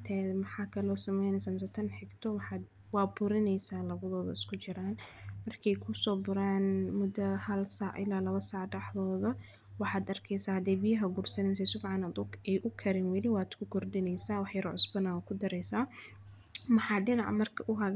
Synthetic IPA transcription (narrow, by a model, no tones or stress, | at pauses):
t̪ʰɛmɐħɑːkʰɐlɔːsɐmɛjnɛsaːms̬ɐt̪ʰɐnħɪɡt̪ʰɔwħɑːd̪ | wɑːbʊɾɪnɛjsaːlɐβɐðɔːðɐ̰ɪskʰʊt͡ʃɪɾaːnmɐrkʰɛjkʰʊsɔːbʊɾaːnmʊd̪ɐhɐlsaːʕʔɪ̰laːlɐβɐsaːʕɖɐħðɔːðɐ | wɑħaːd̪ɐrkʰɛjsaːhɐd̪ɛjbijɐɦɐɡʊrsɐnɛms̬ɛsʊfʕɑnad̪ʊɛjʔʊkʰɐɾɛnwɐlɪwaːd̪̥kʰʊkʰɔrdɪnɛjsaːwɑħjɐɾʕʊsbɐnaːwkʰʊd̪ɐɾɛjsaː | mɐħɑːɖɪnɑʕmɐrkʰɐʔʊɦɐɡ